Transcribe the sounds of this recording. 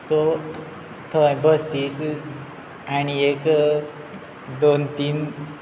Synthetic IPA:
so | t̪ʰəbʱəsis | añiek | d̪ont̪im

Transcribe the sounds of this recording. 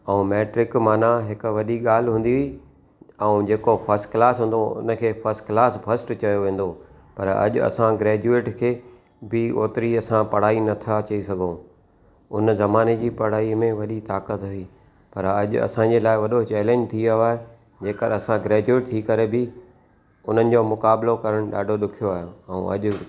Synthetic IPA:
ɛ̃ũmeːʈɾɪkmaːnaɦɪkʊ̆ʋɐɗiɠaːl̤ɦũːnd̪iɦʊi | ɛ̃ũd͡ʑeːkofʰɐɾsʈklaːsɦʊ̃ːn̆d̪oʊ̰nə̆kʰeːfɐɾsʈklaːsbʱɐsʈt͡ɕɐjoʋẽːn̆d̪o | pɐɾɐ̰ʄʊ̰ɐ̰sãɡɾɛːd͡ʑueːʈkʰeː | bɪo̰ːt̪ɾiɐsãpɐɽ̤aːinɐt̪ʰat͡ɕɐisɐɡʱõː | ʊnzɐmaːned͡ʑiːpɐɽ̤aːimẽʋɐɗit̪aːkət̪ɦʊiː | pɐɾɐʄʊ̰ɐ̰sãd͡ʑeːlaːɪʋɐɗot͡ɕɛːlẽːɲd͡ʑt̪ʰiaoaːɦe | d͡ʑeːkəɗɐsãɡɾɛːd͡ʑueːʈ̚t̪ʰiːkɐɾebɪ | ʊn̤ənɪ̆d͡ʑoːmʊkaːblokɐɾəɽ̃ɗa̰ːɖʱoɗʊkʰijoaːɦjõɛũɐ̰ʄʊ̆

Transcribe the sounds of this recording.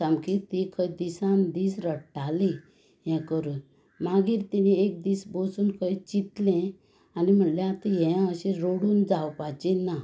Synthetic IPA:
sãmkit̪ikʰəjd̪isãnd̪iːsɾəʈali | jɛ̃kəɾuːn | maɡiːɾt̪iniek̚d̪iːsbosuːnkʰəit͡ɕit̪lɛ̃ | anim̤əɳljãt̪iɦɛ̃əɕẽɾoɽuːnd͡zawpat͡ɕinːa

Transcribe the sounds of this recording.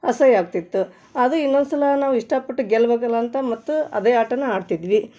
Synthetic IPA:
ɐsɐjaːɡ̚t̪it̪ːu | ɐd̪uinːond̪sɐlɐnaːʋuiʂʈapɐʈːuɡɛlɐʋɐɡɐlɐːnt̪ɐmɐt̪ːuɐ̰d̪eːaːʈɐnːɐaːɖt̪id̪ʋi

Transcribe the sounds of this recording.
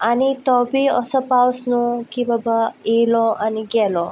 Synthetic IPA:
anit̪ɔbʱiəsəpawsnukibəbaelɔʔaniɡɛlɔ

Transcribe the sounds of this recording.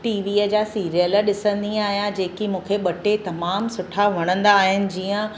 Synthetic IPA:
ʈiːʋiːəd͡ʑaːsiːɾijələɗɪsə̃nd̪ĩaːɦijãd͡ʑeːkimũːkʰeɓɐʈet̪ɐmaːmsʊʈʰaʋɐɽ̃ə̃nd̪aːɦɪnɪ̆d͡ʑiːə̃

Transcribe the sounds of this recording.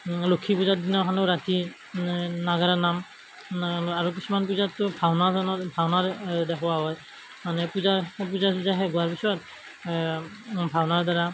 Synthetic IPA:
lokʰipuzadinɔɦʰanoɹati | naɡaɹanam | aɹuk̬isumanp̬uzatːʊbʱawnazɔnɔtbʱawnaɹdɛkʰʊwaɦɔj | manɛpuzap̬uzapuzaɦɛɡuaɹpisɔt̚ | bʱawnaɹdaɹa

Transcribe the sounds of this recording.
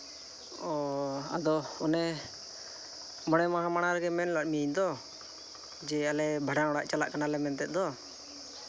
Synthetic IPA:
ɔa̰d̪ɔɔnɛ | məɽ̃ɛmaɦãmaɽ̃aɾɡɛmɛnlaɗ̚miɲd̪ɔ | d͡ʒɛalɛbʱəɽãɔɽaʔt͡ʃala̰ʔkanalɛmɛnt̪ɛʔ̚ˀd̪ɔ

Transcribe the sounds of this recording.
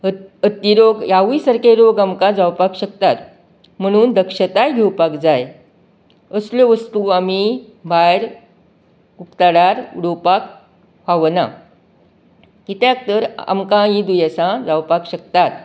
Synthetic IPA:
ət̪iɾoɡjaʋisəɾkeɾoɡamkãd͡zawpakɕək̚t̪at̪ | m̤əɽ̃uːnd̪əkʂət̪ajɡʱewpakd͡zaj | əsljoʋəst̪uami | bʱajɾ | ukt̪aɽaɾuɽopak̚ | paʋna̰ | it̪jak̚t̪əɾa̰mkãjĩd̪ujəsãd͡zawpakɕək̚t̪at̪

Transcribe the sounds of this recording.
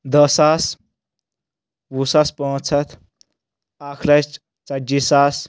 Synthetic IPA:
d̪əsaːs | wusaspɔ̃t͡sʰɐt̪ʰ | aːkʰlɐ | t͡sɐd͡ʒisas

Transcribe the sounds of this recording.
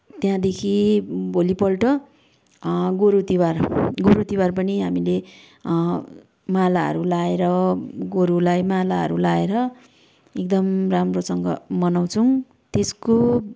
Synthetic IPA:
t̪jãd̪ekʰibʱolipʌlʈʌ | ɡoɾut̪iwarɡoɾut̪iwarpʌniɦamile | malaɦʌ̰ɾulaeɾʌɡoɾulajmalaɦʌ̰ɾulaeɾʌ | ek̚d̪ʌmramrosʌŋɡʌ̰mʌnaw̃t͡sʰʌw̃ | t̪esko

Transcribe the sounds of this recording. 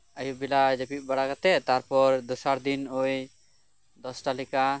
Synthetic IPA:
əjubilad͡ʒepit̪̚ˀbaɽaɡat̪ɛt̪aɾpɔɾd̪usaɾd̪inoj | d̪ɔsʈalika

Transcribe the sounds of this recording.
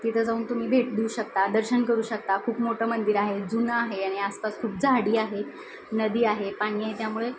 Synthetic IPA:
t̪it̪ʰəd͡zauːnt̪um̤iːbʱeʈd̪iuːɕək̚t̪ad̪əɾɕənkəɾuːɕək̚t̪akʰuːpmoʈʰəmənd̪iɾaɦed͡zunaːɦeaɽ̃iaspaskʰuːp̚d͡zaɽiːaɦe | nəd̪iːaɦepaɽ̃iːaɦet̪jamuɭe

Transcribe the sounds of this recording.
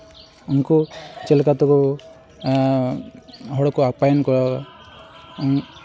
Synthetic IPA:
unkut͡ʃelkat̪ɔku | ɦɔɽɔkuapajɔnkɔɾɔ

